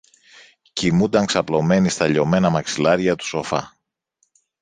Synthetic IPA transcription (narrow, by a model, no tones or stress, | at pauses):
cimund̪ɐŋksɐplo̞me̞nist̪ɐʎo̞me̞nɐmɐksilɐɾʝɐt̪u̥so̞fɐ̰